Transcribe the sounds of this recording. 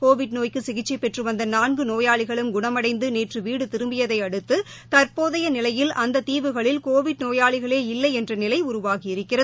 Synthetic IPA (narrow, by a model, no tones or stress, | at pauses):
koːʋɪɖnoːjkɯsɪɣɪt͡ʃːipɛʈrɯʋɐnd̪ɐnaːnɡɯnoːjaːɭɪɣɐɭɯmɡʊɳɐmɐɽɐɪnd̪ɯneːʈrɯʋiːɽɯt̪ɪɾɯmbɪjɐðɐɪɐɽɯt̪ːɯ | t̪ɐɾpoːðɐjɐnɪlɐjɪlʔɐnd̪ɐt̪iːʋɯɣɐɭɪlkoːʋɪɖnoːjaːɭɪɣɐɭeːɪlːɐɪɛndrɐnɪlɐɪʊɾʊʋaːɣɪɪɾɯkːɪrɐ